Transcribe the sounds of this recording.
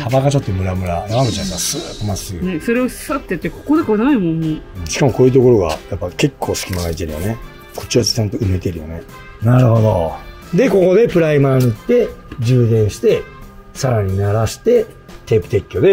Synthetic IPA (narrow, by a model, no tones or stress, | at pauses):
t̪ʰabaɡat͡ɕo̞t̪ːo̞mɯ̟ɾamɯ̟ɾanaβaɡɯt͡ɕaaskasɨtːomasɨso̞ɾe̞ossat̪ːet̪ːekʰo̥kod̪ekonaɡaimõnoɯ̃ɕi̥kamo̞ko̞ːjɯ̟t̪̬oko̞ɾo̞ɡa̰japːake̞kʰːo̞ːsɨ̥kʲimanait̪e̞ɾɯ̟jo̰ne | kʰot͡ɕiasi̥sãnt̪oɯ̟me̞t̪eɾɯ̟jo̞̰ne̞ | naɾɯ̟ɦo̞d̪o̞ | d̪e̞ko̞ko̞d̪e̞pɯ̟ɾaimaːnɯt̪ːe̞d͡ʑɨːd̪ẽ̞ɰ̃ɕi̥t̪e̞ | saɾaɲ̟inaɾaɕi̥t̪e̞ | t̪e̞pɯ̟̥t̪e̞kʲːo̞d̪e̞